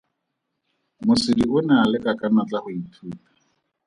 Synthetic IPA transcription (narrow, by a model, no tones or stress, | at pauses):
mʊsɪdiʊnaːlɪkʼakʼanat͡ɬʼahʊitʰuːpḁ